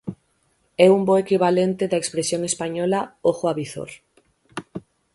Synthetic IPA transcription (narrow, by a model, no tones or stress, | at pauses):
ɛumboekiβalent̪eðɐekspɾesjoŋespaɲɔlaoɣoaβiθo̰ɾ